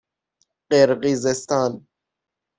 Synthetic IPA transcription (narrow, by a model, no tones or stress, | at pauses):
qeɾɣizest̪ɑːn